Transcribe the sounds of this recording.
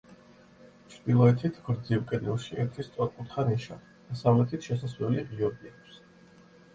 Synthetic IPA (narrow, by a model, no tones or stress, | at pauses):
t͡ʃʰɾd̪̥ilˠɔɛt̪ʰit̪ʰɡɾd̪zivkʼɛd̪ilˠʃiɛɾt̪ʰist̪sʼwat̪kʼut̪χaɾinʃa̰ | d̪̥asalɛt̪ʰit̪ʰʃɛsaslɛliʁiɔbiak̚ʷʰs